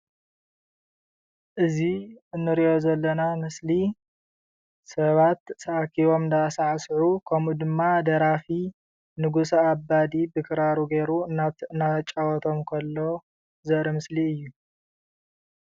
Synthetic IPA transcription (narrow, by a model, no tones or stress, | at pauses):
ʔɨziɨnːɨɾiʔo̞zɐlːɐnamɨsli | sɐβat̪sɐʔakʰiβo̞mnd̪asaʕsʕukʰɐmud̪ɨmːad̪ɐɾafi | nɨɡusɐabad̪ibɨkʰɨɾaɾuɡeɾuanat͡ʃʼawɔt̪ʰo̞mkʰɐlːo̞ | zɐʔɾimɨsliɨjːu